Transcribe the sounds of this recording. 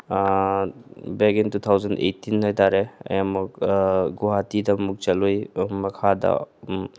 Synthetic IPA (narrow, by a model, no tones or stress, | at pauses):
beɡintut̪ʰawzəndḛtːinhɔjtaɾeɐ̰jamɔkɡɔɦatidamuk̚t͡ʃalujmɐkʰada̰